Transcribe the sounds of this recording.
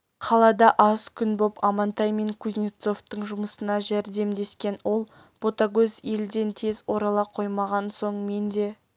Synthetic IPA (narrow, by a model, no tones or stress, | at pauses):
qʰɑlˠɑd̪ɑʔɑzkʲʰʏnbo̞pɑmɑnt̪ɑjme̞ŋkʰuznʲit̪so̞ft̪əɴʒʊməsənɑʒæɾd̪e̞md̪e̞skʲe̞nwo̞lˠ | b̥ot̪aɡɵzje̞ld̪e̞nt̪ʰe̞zwo̞ɾɑlˠɑqʰo̞jmɑʁɑnso̞ɴme̞nd̪e̞